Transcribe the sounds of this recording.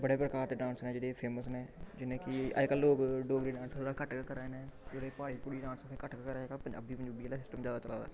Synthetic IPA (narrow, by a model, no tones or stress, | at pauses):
bəɽeːpɾəkaːɾt̪eːɖãːnsnɛ̃ːd͡ʒeːɽeːpʰeːməsneːd͡ʒɪnẽːkɪə̰kəlːoːkɖoːɡɾiːɖãːnsoːɽaːkəʈkkəɾenẽːd͡ʒeːɽeːpaːɽiːpʊɽiːɖãːnsokʰekəʈkkəɾkəpəɲd͡ʒa̰ːbiːbəɲd͡ʒuːbiːeːlaːsɪsʈəmzjaːd̪aːt͡ʃəla̰ːd̪a̰ː